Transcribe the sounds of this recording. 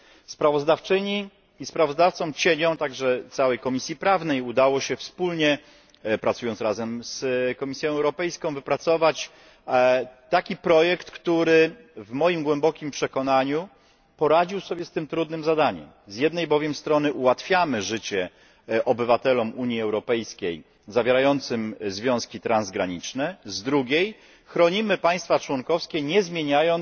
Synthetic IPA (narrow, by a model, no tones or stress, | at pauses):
spɾavɔzd̪aft͡ʂɘɲi | ispɾavɔzd̪aft̪sɔ̃w̃t͡ɕeɲɔ̃w̃t̪aɡʐɛt̪sawɛjkɔmʲisʲjipɾavnɛjud̪awɔɕɛfspulɲɛ | pɾat̪sujɔnt̪sɾazɛmskɔmʲisʲjɔ̃w̃ɛwɾɔpɛjskɔ̃w̃vɘpɾat̪sɔvat͡ɕ | t̪akʲipɾɔjɛkt̪kt̪uɾɘ | vmɔjimɡwɛmbɔkʲimpʂɛkɔnaɲu | pɔɾad͡ʑiwsɔbʲjɛst̪ɘmt̪ɾud̪nɘmzad̪aɲɛ̰m | zʲjɛd̪nɛjbɔvʲjɛmst̪ɾɔnɘʔuwat̪fʲjamɘʐɘt͡ɕɛ | ʔɔbɘvat̪ɛlɔmuɲjiɛwɾɔpɛjskʲej | zavʲjeɾajɔnt̪sɘmzvʲjɔ̃skʲit̪ɾanzɡɾaɲit͡ʂnɛzd̪ɾuɡʲej | xɾɔɲimɘpaj̃st̪fat͡ʂwɔŋkɔfskʲɛɲɛzmʲjeɲajɔn